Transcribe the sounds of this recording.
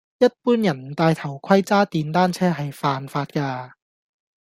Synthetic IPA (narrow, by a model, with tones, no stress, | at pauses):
jɐ˥t̚puː˥njɐ˨˩nt̪aː˧jt̪ʰɐ˨˩wkʰɐ˥jt͡saː˥t̪iː˨˧nt̪aː˥nt͡sʰɛː˥ɦɐ˨jfaː˨nfaː˧t̚kaː˧